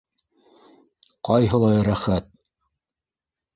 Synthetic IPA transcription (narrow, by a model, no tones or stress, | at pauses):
qɑjɦɤ̆lˠɑjɾæχæt̪̚